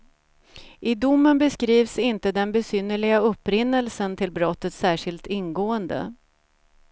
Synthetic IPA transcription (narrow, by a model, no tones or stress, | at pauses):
ʔɪd̪ʊmːənbɛskɾiːvsɪnt̪əd̪ɛnbɛsʏnːəɭɪɡaɵpːɾɪnːəlsənt̪ʰɪlbɾɔt̪ːət̪sæːʂɪlt̪ɪnːɡoːənd̪ə̰